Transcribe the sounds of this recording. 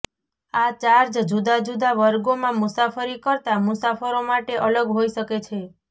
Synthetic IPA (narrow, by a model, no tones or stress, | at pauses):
at͡ʃaɾd͡ʒd͡ʒud̪ad͡ʒud̪aʋəɾɡomãmusafəɾikəɾt̪amusafəɾomaʈeʔələɡɦoiʃəket͡ʃʰe